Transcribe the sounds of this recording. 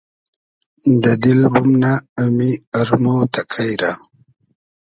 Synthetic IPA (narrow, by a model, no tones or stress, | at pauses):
d̪ɐd̪ilbumnaːmiaɾmot̪akʰajɾa